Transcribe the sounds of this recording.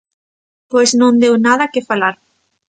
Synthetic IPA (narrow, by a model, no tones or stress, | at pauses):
pejsnõnd̪ewnað̞ɐkɪfalaɾ